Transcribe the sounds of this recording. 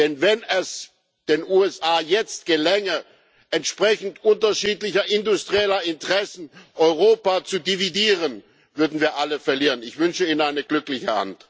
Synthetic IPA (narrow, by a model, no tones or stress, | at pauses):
d̥ɛnvɛnɛs | d̥eːnʔuːɛsʔaːjɛt͡st̚ɡ̥əlɛŋə | ʔɛntʃpʁ̥ɛçn̩tʔʊntɐʃiːtlɪçɐʔɪndʊstʁ̥iɛlɐɪntəʁɛsn̩ʔɔʏʁ̞oːpat͡sudividiːʁən | vʏɐdn̩viːɐʔaləfɛɐliːʁənɪçv̥ʏnʃəiːnənaɪnəɡlʏklɪçəha̰nt